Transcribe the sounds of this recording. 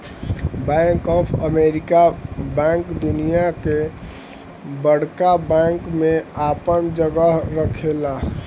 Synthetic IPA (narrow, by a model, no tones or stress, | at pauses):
baj̃ŋkɔpʰəmeɾikabɛ̃ŋkd̪unijake | bəɽ̤kabɛ̃ŋkmẽapənd͡ʒəɡəɦɾəkʰela